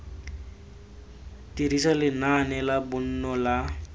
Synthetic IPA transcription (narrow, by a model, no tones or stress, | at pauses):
t̪iɾisalenanelabunːola